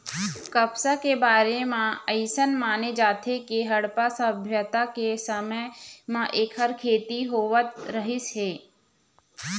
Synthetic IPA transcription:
kəpsakebaːɾemãəɪsənmaːned͡ʒaːt̪ʰekeɦɐɽpasəbʱjət̪akesəməjmãʔeːkɦəɾkʰeːt̪iɦoːʋət̪ɾəɦɪsɦeː

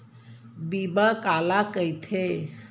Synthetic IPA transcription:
bibəkalakəjt̪ʰe

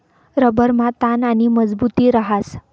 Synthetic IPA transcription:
ɾəbəɾmat̪ananiməd͡zbut̪iːɾəɦas

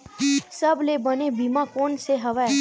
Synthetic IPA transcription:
sɐblebənebimãkoːnseɦɐʋa

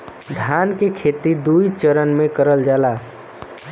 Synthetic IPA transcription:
d̪ʱankekʰet̪id̪ujt͡ʃəɾənmekəɾəld͡ʒala

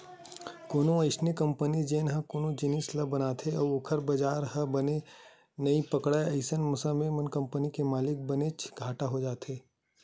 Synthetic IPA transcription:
koːnõɐɪsnekɐ̃mpənid͡ʒeːnɦɐkoːnõd͡ʒɪniːslɐbɐnaːt̪ʰeɔːʊkʰəɾbɐd͡ʒaːɾɦɐbɐne | nɐipɐkɽaɐɪsənmʊsə̃memɐnkɐ̃mpənikemaːlɪk̚bɐnet͡ʃʰɡʱaːʈaɦod͡ʒaːt̪ʰeː

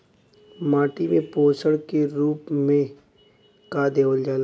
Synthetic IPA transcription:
maːʈimẽpoːsəɽkeɾuːpmẽ | kaːd̪eoːld͡ʒaːla

